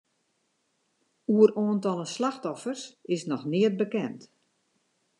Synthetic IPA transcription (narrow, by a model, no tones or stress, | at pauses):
uəɾoːəntɔlˠəslaxtɔfərsɪsnɔxnɪət̚bəkɛnt